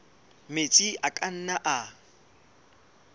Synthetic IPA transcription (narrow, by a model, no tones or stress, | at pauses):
met͡sʼiʔakʼan̩naʔa